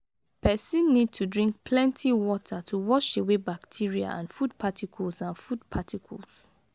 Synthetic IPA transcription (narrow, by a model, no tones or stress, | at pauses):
pɛsĩnːid̚tʰudɹĩŋk̚pʰlɛ̃ntʰiwɔtʰatʰuwɔʃewebaktʰiɹia̰ã̰nfud̚pʰatʰikʰɔlsãnfud̚pʰatʰikʰɔ̰lˠs